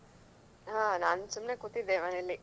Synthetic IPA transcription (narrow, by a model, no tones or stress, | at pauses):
ɦãːnaːnsumnekut̪ːid̪ːeːmɐnelːi